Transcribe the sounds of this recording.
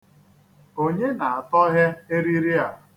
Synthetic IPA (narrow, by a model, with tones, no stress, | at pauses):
o˦ɲe˦na˨a˨tɔ˦ɦe˦e˦ɾi˦ɾi˦a˨